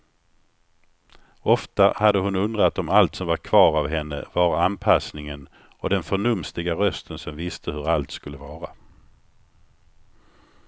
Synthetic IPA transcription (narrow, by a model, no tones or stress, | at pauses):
ɔft̪ahad̪əɦʊnɵnd̪ɾat̪ːɔmalt̪sɔmvaɾkʰvɑːɾavɦɛnːə̰vaɾanpʰasnɪŋən | ɔd̪ɛnfœɳɵmst̪ɪɡaɾœst̪ʰənsɔmvɪst̪ʰəhɵɾalt̪skɵlːəvɑːɾa